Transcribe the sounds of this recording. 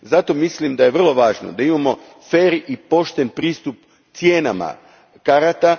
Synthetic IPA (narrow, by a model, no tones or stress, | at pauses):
zat̪o̞mislimd̪ajeʋr̩lˠo̞ʋaːʒno̰d̪aimamo̞ | feːɾipo̞ʃt̪e̞npɾiːst̪up̚ | t̪sjeːnama̰ | kaɾat̪a